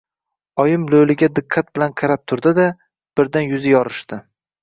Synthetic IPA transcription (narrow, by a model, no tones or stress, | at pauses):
ɒjɪmlolɪɡʲad̪ɪqʰːat̪̚bɪlanqʰɑɾap̚t̪ʰʊɾd̪ɪd̪a | b̥ɪɾd̪anjʊzɪjɒɾɪʃd̪̥ɪ